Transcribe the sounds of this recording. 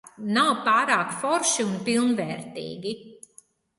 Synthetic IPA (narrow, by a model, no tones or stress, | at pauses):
nawpaːɾaːkfɔɾʃiunpilˠnvɛːɾt̪ḭːɡʲi